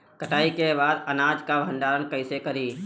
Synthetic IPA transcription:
kəʈaːikebaːd̪ɐnaːd͡ʒkabʱɐ̃nɖaːɾənkɐɪsekɐɾiː

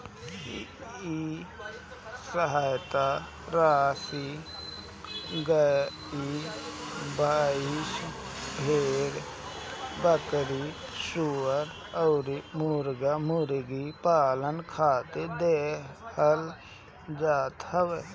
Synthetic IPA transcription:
i | səɦaːjt̪a | ɾaːsi | ɡə | i | bʱaːiʃ | bʱeːɾ | bəkəɾi | ʃuəɾ | əːɾmuɾɡamuɾɡipaːlənkʰaːt̪ed̪eːhəl | d͡ʒaːt̪ɦəwe

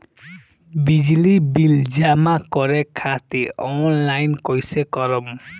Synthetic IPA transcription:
bid͡ʒlibild͡ʒamakɔɾɛkʰat̪iɔnlajnkɔjsekɔɾɔm

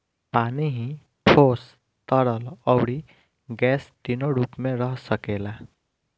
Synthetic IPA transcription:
paniɦĩ | ʈʰos | t̪ʌɽʌlʌwɽi | ɡɛst̪inoɾupmeɾʌɦsʌkela

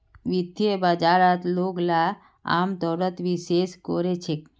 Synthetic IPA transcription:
ʋid̪ebad͡ʒaɾat̪loɡla | a̰mt̪ɔɾət̪ʋiʃeskɔɾet͡ʃʰek

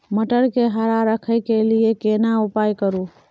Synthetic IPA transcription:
məʈəɽkeɦəɾaɾəkʰəjkeliekenaʊpajkəɾu

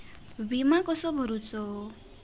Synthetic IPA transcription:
bimakɔsɔbʱɔɾut͡sɔ

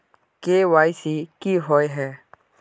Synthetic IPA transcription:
keːwaːjsiːkiːɦɔjɦɛː

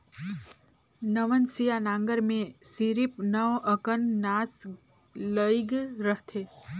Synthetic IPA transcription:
nəʋənsijanãŋɡəɾmẽsiɾipnəʋəkənnas | ləjɡɾəɦt̪ʰe

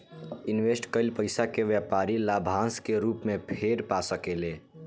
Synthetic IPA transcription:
ɪnʋesʈkəɪlpəɪsakeʋjapaɾilabʱãːskeɾuːpmẽpʰeɾpasəkeleː

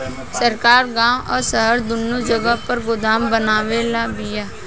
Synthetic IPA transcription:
səɾkaːɾɡãːʔɔːɾsəɦəɾd̪ʊnːud͡ʒəɡapəɾɡʊd̪aːmbənaːʋeːlabijaː

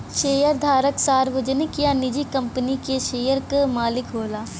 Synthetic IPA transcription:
ʃeːjəɾd̪ʱaːɾəksaːɾʋʊd͡ʒənɪkjanɪd͡ʒikɐ̃mpənikeʃeːjəɾkəmaːlɪkɦoːlaː

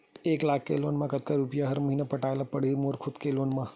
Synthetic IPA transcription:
eːklaːkʰːḛloːnmãkət̪kaɾupijaɦɐɾməɦinapəʈaːjlapəɽ̤iːɾmoːɾkʰʊd̪keloːnmã

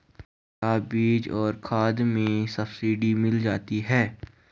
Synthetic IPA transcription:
aːbiːd͡ʒɔːɾkʰaːd̪mẽsɐbsiːɖimɪld͡ʒaːt̪iɦɛː

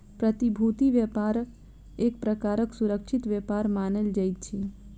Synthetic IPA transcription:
pɾət̪ibʱut̪iʋjəpaɾə | ekpɾəkaɾəksuɾəkʃit̪ʋjɛpaɾmaneld͡ʒəjt͡ʃʰe

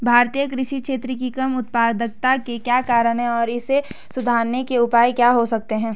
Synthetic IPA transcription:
bʱaːɾt̪ijəkɾɪʃikʃeːt̪ɾəkikɐmʊt̪̚paːd̪ək̚t̪akekjaːkaːɾəɽ̃ɦɛ̃ɔːɾɪsesʊd̪ʱaːɾnekeʊpaːjkjaɦosɐk̚t̪eɦɛ̃ː

